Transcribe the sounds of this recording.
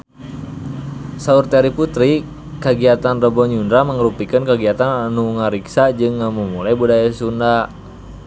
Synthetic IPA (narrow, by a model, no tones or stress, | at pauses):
saurt̪ɛɾiput̪ɾi | kəɡiat̪anrɔbɔɲundɾaməŋɾupikənkəɡiat̪ananuŋaɾiksad͡ʒɨŋːəmumulajbudajasunda